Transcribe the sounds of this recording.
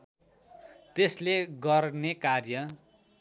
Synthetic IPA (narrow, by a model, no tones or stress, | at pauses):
t̪esleɡʌrnekarjʌ